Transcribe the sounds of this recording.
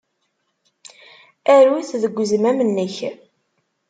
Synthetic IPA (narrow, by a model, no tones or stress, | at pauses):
æɾwiθðəɡʷːzmæmənːəç